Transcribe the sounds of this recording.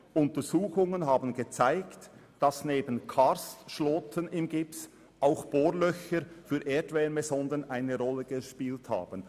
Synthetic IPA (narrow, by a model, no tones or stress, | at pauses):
ʔʊntəɾz̥uːxʊŋənɦaːbn̩ɡət͡saɪkt | d̥ɑsneːbənkʰaɾstʃlɔːtʰənɪmɡɪps | ʔaʊxb̥oːlœçəɾfyːɾʔeːdvɛːnmɛzɔndənʔaɪnəɾɔlːəɡəʃpiːltha̰ːbən̩